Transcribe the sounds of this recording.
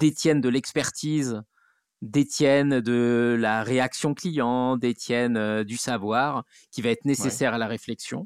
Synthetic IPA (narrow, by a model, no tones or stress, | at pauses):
d̪̥et̪jɛnd̪əlɛkspɛʁt̪ʰiz | d̪et̪jɛnd̪əlaʁeaksjɔ̃klijɑ̃d̪et̪jɛnød̪ysavwaʁ | kʲivaɛt̪χnesesɛʁalaʁeflɛksjɔ̃